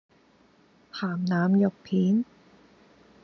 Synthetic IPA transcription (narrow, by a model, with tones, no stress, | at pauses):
t̪ʰaː˨˩mnaː˨˧mjɔ˨˩k̚pʰiː˨˥n